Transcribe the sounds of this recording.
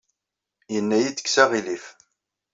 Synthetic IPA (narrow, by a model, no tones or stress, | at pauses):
jənːæjit͡sːə̥ksæʁilif